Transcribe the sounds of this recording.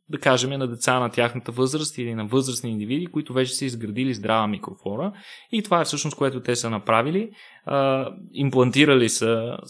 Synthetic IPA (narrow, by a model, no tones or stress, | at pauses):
d̪ɐkaʒɛmɛnɐd̪ɛt̪sanɐt̪ʲjaxnət̪əvɤzɾəst̪ilinɐvɤzɾəsniːnd̪ivid̪ikoit̪ʊvɛt͡ʃɛ̥səizɡɾɐd̪ilizd̪ɾʔavəmikɾofɔnəit̪ovaɛfsɤʃnoskoɛt̪ʊt̪ɛsənɐpɾavili | əimplˠɐnt̪iɾəlisə